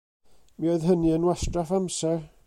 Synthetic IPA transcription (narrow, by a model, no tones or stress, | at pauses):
mioɨðɦəniənwɛstrafamsɛr